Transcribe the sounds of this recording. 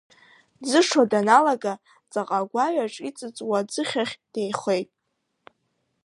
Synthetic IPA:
d͡zɨʂadanalaɡa | t͡sʼaqʼaɡʷaɥaʈ͡ʂʼit͡sʼɨt͡sʼwad͡zɨχʲaχʲd̥e̞jχʷe̞jtʼ

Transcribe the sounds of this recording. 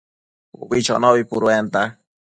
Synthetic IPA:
ṵβit͡ʃɔ̰nɔβipuɾwent̪a

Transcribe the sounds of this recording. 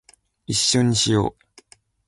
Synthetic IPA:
iɕːo̞ɲ̟iɕijo̞̰ː

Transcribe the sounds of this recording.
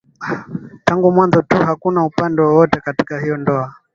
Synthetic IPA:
taŋɡumwanzɔtuhakunaupandɛwɔwɔtɛkati̥kahijɔndɔa

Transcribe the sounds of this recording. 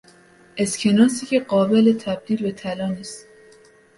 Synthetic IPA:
ʔescʲʰe̞nɒːsiːcʰeɢɒːbe̞let̪ʰæb̚d̪iːlbe̞t̪ʰælɒːniːst̪

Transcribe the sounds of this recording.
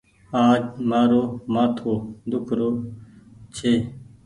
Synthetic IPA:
ãːmaːɾoːmãːt̪ʰoːd̪ʊkʰɾoː | t͡ɕʰeː

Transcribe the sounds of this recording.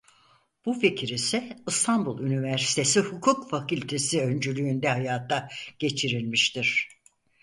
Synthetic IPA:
b̥ufecʰiɾisɛɯst̪ʰanbulˠynivæɾsi̥t̪ʰe̞sihukʰukfakylʲt̪ʰe̞siø̞nd͡ʒylʲyːnd̪ɛhajaːt̪ʰːaɟ̥e̞t͡ʃʰiɾilʲmiʃt̪iɾ̥

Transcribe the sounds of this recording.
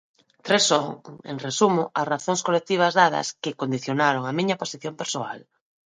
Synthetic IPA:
t̪ɾesoŋḛŋresumʊʔasraθõŋskolek̚t̪iβ̞ɐzðað̞ɐ̰skɪkond̪iθjonaɾoŋamĩɲɐposiθjompeɾsoa̰l

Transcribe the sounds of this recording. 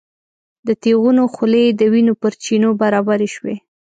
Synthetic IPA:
d̪ət̪eɣunoxʊled̪əwinopəɾt͡ʃinobaɾɑbaɾeʃwḛ

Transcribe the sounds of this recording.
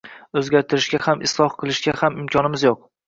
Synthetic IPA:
ɵzɡʲaɾt̪ʰɪɾɪʃɡʲahamʔɪ̰slˠɒhqʰɨlˠɪʃɡʲahamɪmkʲʰɒnɪmɪzjoq̚

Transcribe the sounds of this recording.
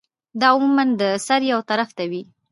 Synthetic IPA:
d̪ɑʊmumand̪əsaɾjawt̪aɾaft̪awi

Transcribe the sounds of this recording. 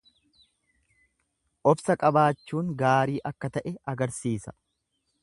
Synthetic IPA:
ʔɔbsɐkʼɐbaːt͡ʃːuːŋɡaːɾiːʔɐkːɐt̪ɐʔɛɐɡɐɾsiːsɐ̥

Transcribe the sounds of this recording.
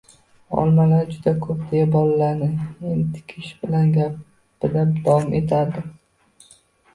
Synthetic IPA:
ɒ̰lˠmalaɾd͡ʒʊd̪akʰɵp̚d̪ejabɒlaːaɾnɪent̪ʰɪ̥kʲʰɪʃbɪlanɡʲa | ɪd̪ad̪awɒmʔe̞t̪ʰaɾd̪ɪ

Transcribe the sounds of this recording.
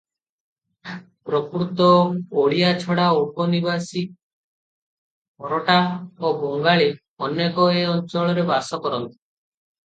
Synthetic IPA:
pɾɔkɾut̪ɔoɭiat͡ʃʰɔɽaupɔnibasi | pɔɾɔʈaobɔŋɡaɭe | ɔnjekɔeɔnt͡ʃɔɭɔɾebasɔkɔɾɔnt̪i̥

